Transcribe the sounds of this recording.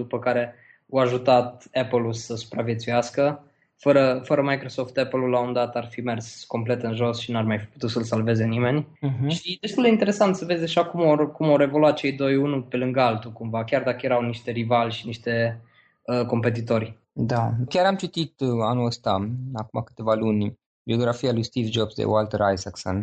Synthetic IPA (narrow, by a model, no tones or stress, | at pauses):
d̪upəkaɾe̞ | oaʒut̪at̪̚epəlulsəsu̥pɾavje̞t̪sujaskə | fəɾəfəɾəmajkɾo̞so̞ft̪epəlulːaund̪at̪arfime̞rsko̞mple̞t̪ɨnʒo̞sʃinarmajfi̥pu̥t̪usəlsalve̞ze̞nime̞n̩ʲɦʃʃid̪est̪uld̪eint̪e̞ɾe̞sant̪səvezʲd̪e̞ʒakumorkumoɾe̞vo̞luat̪̚t͡ʃe̞jd̪o̞junupe̞lɨŋɡalt̪ukumvakʲard̪akəje̞ɾawniʃt̪e̞ɾivalʲʃiniʃt̪e̞ | əko̞mpe̞t̪̬it̪o̞rʲ | d̪akʲaɾamt͡ʃit̪it̪anuəst̪aakumakɨ̥t̪e̞valunʲ | bio̞ɡɾafialujst̪ivd͡ʒobsd̪ḛoalt̪əɾajsakso̰n